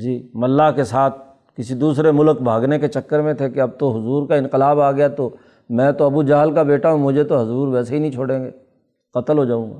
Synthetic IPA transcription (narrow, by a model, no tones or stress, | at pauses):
d͡ʒiːmɐlːaɦkesaːt̪̚ʰ | kɪsid̪uːsɾemʊlkbʱaːɡneket͡ʃɐkːəɾmẽt̪ʰekeɐb̚t̪oɦʊzuːɾkaɪ̃nqɪlaːbaːɡɐjat̪o | mɛ̃ːt̪oɐbud͡ʒaːɦlkabeːʈaɦũmʊd͡ʒʱet̪oɦɐzuːɾʋɛːseɦinɐɦĩt͡ʃʰoːɽẽːŋɡeː | qɐt̪əlɦod͡ʒaːũːŋɡa̰ː